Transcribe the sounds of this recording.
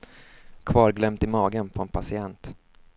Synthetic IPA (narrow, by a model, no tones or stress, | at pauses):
kʰvɑːɾɡlœmt̪ɪmɑːɡənpʰɔɛnpʰasɪɛnt̪